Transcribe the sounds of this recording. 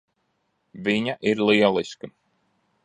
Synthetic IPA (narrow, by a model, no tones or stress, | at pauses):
viɲaʔiɾlˠiɛlˠiskɨ